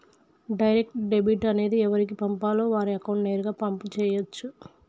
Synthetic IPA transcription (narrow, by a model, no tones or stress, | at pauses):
ɖɐjɾek̚ʈɖe̞biʈɐne̞ːd̪iɛʋɐɾik̬ipɐmpaːloːʋaːɾiɐkɐwɳʈneːɾuɡaːpɐmput͡ʃɛːjɐt͡ʃːu